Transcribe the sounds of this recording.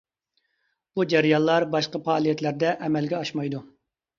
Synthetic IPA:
b̥ud͡ʒæɾijɑnlˠɑɾbɑʃqɑpɑːlˠijɛt̪læɾd̪ɛʔɛmɛlɡʲɛɑʃmɑjd̪u

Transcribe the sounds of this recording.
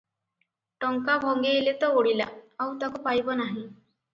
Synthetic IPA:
ʈɔŋkabʱɔŋɡeːlet̪ɔoɽila̰awt̪akupajbɔnaɦĩ

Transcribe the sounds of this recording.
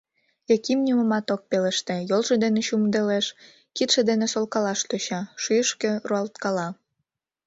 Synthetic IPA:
jekimnʲuməmɑt̪ok̚peleʃt̪ĕjolʒĕd̪eneɕumd̪eleʃ | kit̪ʃĕd̪enesolkɑlɑʃt̪øɕɑʃyəʃkĕruɑlt̪kɑlɑ

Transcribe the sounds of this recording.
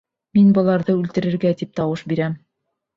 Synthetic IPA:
minbɤ̆lˠɑɾðɤʉlt̪ɘ̆ɾɘ̆ɾɡæt̪ip̚t̪ɑwɤʃbiɾæm

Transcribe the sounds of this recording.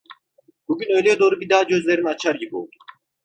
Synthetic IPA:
b̥uɟynø̞jlʲɛd̪o̞ːɾubid̪aɦad͡ʒø̞zlʲeɾiniat͡ʃʰaɾɟibio̞̰lˠd̪u

